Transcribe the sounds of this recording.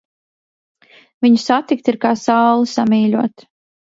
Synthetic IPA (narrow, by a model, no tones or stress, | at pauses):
viɲusat̪ik̚t̪iɾkaːsawlˠɨsamiːʎʲuɔt̪